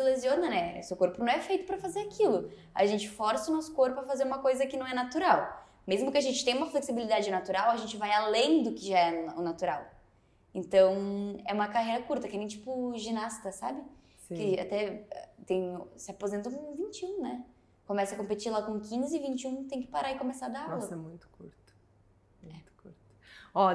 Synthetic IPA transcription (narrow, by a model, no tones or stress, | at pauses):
lezioɾnɐ̃nɛsewkoɾpʊnɐ̃w̃ɛfejt̪ʊpɾɐfazeɾakʰilʊ | a̰ʒẽnt͡ʃɪ̥fɔɾsɐʊnɔsʊ̥koɾpʊɐfazeɾũmɐkojzɐkɪnɐ̃w̃ɛnat̪uɾaw | mezmʊkɪaʒẽnt͡ʃɪ̥t̪ẽj̃ũmɐfleksibilid̪ad͡ʒɪnat̪uɾawɐʒẽnt͡ʃɪvajalẽj̃d̪ʊkɪʒaɛʊnat̪uɾaw | ẽnt̪ɐ̃w̃ɛũmɐkahejɾɐkuɾt̪ɐkɪnẽj̃t͡ʃi̥pʊʒinast̪ɐsabɪ | skɪa̰t̪ɛɛt̪ẽj̃sɪapozẽnt̪ʊ̃kõvĩnt͡ʃɪũnɛ | kõmɛsɐkõpet͡ʃiɾlakõkĩzɪɪvĩnt͡ʃɪũt̪ẽj̃kɪ̥paɾaɪkõmesad̪anlsɐɛmũj̃t̪ʊ̥kuɾt̪ʊ̥ | mũɛt̪ʊ̥kuɾt̪ʊ̥ɔ